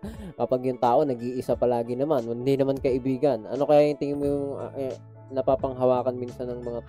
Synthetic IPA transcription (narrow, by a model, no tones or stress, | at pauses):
kɐpaɡjʊŋt̪aːʔo̞nɐɡiːʔɪsapɐlaːɡɪnɐmanwɐd̪inɐmankɐʔɪbiːɡɐnʔɐ̰no̞kɐjaːʔɪnt̪ɪŋɪnmojʊŋʔ | nɐpaːpɐŋɦɐwaːkɐnmiːnsɐnːɐŋmɐŋat̪